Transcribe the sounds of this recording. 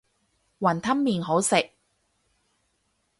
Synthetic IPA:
wɐ˨˩nt̪ʰɐ˥mːiː˨nɦo˨˥wsɪ˨k̚

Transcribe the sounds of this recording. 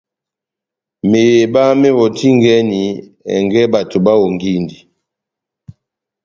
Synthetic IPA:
me˨je˨ba˦mɛ˦wɔ˨ti˦ŋɡɛ˦ni˨ɛ̰˨ŋɡɛ˦ba˨tu˨ba˦wɔ˨ŋɡi˦˨ndi˨

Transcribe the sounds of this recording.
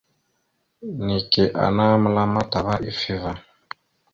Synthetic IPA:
ni˨ki˨ʔa̰˨na˦mu˦la˦ma˦ta˨βa˦ʔi˦fi˦va˨

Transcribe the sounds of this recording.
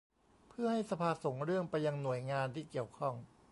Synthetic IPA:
pʰɯ˥˩əha˥˩jsa˧pʰaː˧so˩˦ŋɾɯ˥˩əŋpa˧jːa˧ŋnu˨˩əjŋaː˧nt̪ʰiː˥˩ki˨˩əwkʰɔ˥˩ŋ

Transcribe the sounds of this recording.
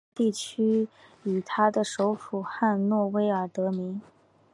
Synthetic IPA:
t̪i˥˩t͡ɕʰy˥y˨˩t̪ʰa˥d̪ə˨ʂo˧˥ʊfu˨˩xa˥˧nnwɔ˥˩we˥ɪə˞˨˩t̪ɤ˧˥mi˧˥ŋ

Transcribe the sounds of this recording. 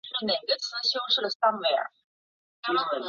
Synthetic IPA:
ʂɻ̩˥˩ne˨˩ɪɡə˦t͡sʰɹ̩˥ɕjo˥ʊʂɻ̩˥˩d̪ə˩sɐ˥ŋwɛ˥˩˥

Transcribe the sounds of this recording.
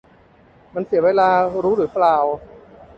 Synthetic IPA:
ma˧nsi˨˩˦weː˧laː˧ɾuː˦˥ɾuː˩˦jplaː˨˩w

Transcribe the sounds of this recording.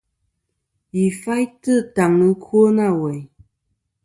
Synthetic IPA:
i˨fa˦jtə˦˨ta˨ŋɨ˦kʰo˦na˦˨wɛ˨j

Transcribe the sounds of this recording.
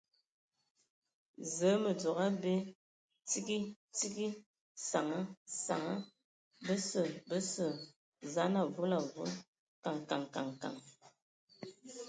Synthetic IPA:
zə˨˦mə˨d͡zo˨ɣa˦be˦ | t͡si˦ki˦ | t͡si˦ɡi˦ | sa˨ŋə˦sa̰˨ŋə˦ | bə˦sə˨bə˦sə˨ | za˦na˨vu˦la˨vu˦l | ka˨ŋ˨ka˨ŋka˨ŋka̰˨ŋ

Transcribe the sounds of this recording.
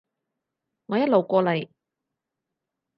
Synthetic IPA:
ŋɔː˨˧jɐ˥t̚lo˨˩wkʷɔː˧lɐ˨˩j

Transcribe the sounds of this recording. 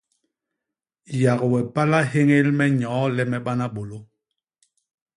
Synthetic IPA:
ja˨ɣwɛ˨pa˦la˦he˦ŋe˦lmɛ˦ɲɔ̃ː˨˦lɛ˦mɛ˨ɓa˦na˦ɓo˨lo˦

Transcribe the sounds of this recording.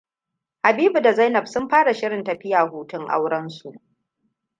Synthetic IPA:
ha˨biː˦bu˨da˨za˦jnɐ˨bsʊ˦mɸaː˦ɽa˨ʃɪ˦ɽɪ˨ntɐ˨ɸɪ˦jaː˨huː˦tʊ˦ŋʔa̰˦wɽɐ˦nsu˨ʔ

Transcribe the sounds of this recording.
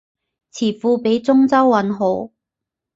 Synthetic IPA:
t͡sʰiː˨˩fuː˧pe˨˥jt͡sʊ˥ŋt͡sɐ˥wːɐ˨˥nɦo˨˥w

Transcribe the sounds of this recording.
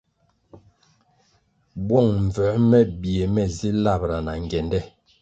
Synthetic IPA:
bwɔ˦˨ŋɱ̩˨vɛ˨˦mɛ˦bi˨e˨mɛ˦zi˦la˦˨bɾa˨na˨ŋ˨ɡɛ˨ndɛ˦˨

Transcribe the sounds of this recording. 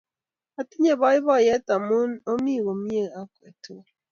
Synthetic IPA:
a˨ti˦ɲe˦˨bɔ˨˦i˦bɔ˦˨jɛ˦ta˨mu˦no˦mi˦˨ɣo˨mi˦e˦˨a˦ke˨to˦

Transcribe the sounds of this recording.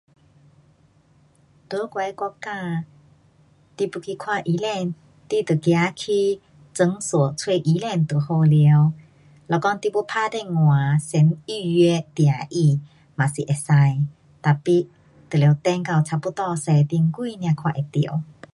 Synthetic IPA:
t̪ə˧˦kwɛ˧˦kɔ˧˥ka˧˨ | t̪i˧pu˧kʰi˧kʰwa˥˧˨ʔi˧˦lɛ˧˨n | t̪i˧˨t̪ə˨˩kja˧˦kʰi˧ | t͡sə˧˦ŋsɔ˨˩t͡sʰwe˥˧ʔi˧˦lɛ˧˨nt̪ə˨˩ho˧lɛ˧ə˦w | lɔ˧˨˩kɔ˧ŋt̪i˧pu˧˦pʰa˧d̪ɛ˧˨ŋwã˨sɛ˨˧˦ni˧jɛ˧˦t̪jã˨ʔi˧˨ | ma˨si˨ʔɛ˨˩sa˧j | t̪a˨˩pi˧ | t̪ə˨˩le˨˧˦t̪ɛ˧˨ŋka˧˩wt͡sʰa˧pu˧˦t̪ɔ˧sɛ˧˨t̪i˧ŋkwu˧˨nj̃ã˧kʰwa˧˨ʔe˨˩t̪ḭ˨ə˨˦w

